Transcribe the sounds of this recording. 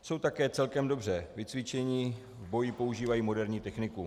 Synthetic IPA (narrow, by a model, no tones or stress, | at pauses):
so̞wt̪akɛːt͡sɛlkɛmdo̞br̝ɛvɪt͡svɪt͡ʃɛɲiː | vbo̞jɪpo̞uʒiːvajiːmo̞dɛɾɲiːt̪ɛxnɪku